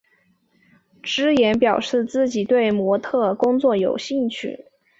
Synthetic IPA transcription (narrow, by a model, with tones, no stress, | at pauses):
ʈ͡ʂɻ̩˥jɛ˧˥npjɑ˨˩ʊʂɻ̩˥˧t͡sɹ̩˥˩t͡ɕi˨˩t̪we˥˩ɪmwɔ˧˥t̪ʰɤ˥˩kʊ˥ŋt͡swɔ˥˩jo˨˩ʊɕi˥˧ŋt͡ɕʰy̰˥˩